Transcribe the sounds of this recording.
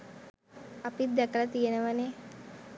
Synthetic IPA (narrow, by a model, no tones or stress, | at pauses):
apid̪ɛkəɾat̪ijenəʋane